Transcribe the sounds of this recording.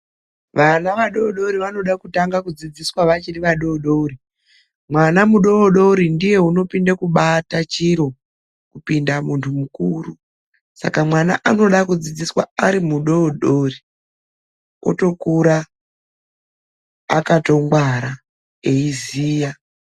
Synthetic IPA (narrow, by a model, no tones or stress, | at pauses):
ʋanaʋaɗo̞ɗo̞ɾiʋano̞ɗakutaŋɡakud͡zid͡ziswaʋat͡ʃiriʋaɗo̞ɗouɾi | mwanamuɗo̞ːɗo̞ɾindije̞uno̞pindakuɓatat͡ʃiɾo̞ | kupindamuntʰumukuru | sa̰kamwanaʔano̞ɗakud͡zid͡ziswa̰aɾimuɗoɗo̞ri | ko̰to̞kuɾa | kato̞ŋɡwaɾa | e̞iziːja